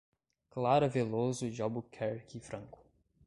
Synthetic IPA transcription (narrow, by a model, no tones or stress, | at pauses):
klaɾɐvelozʊd͡ʒɔbʊkʰɛɾkʰifɾɐ̃ŋkʊ̥